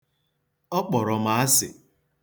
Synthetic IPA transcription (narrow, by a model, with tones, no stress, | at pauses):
ɔ˦k͡pɔ˨ɾɔ˨ma˨˦a˦sɪ̰˨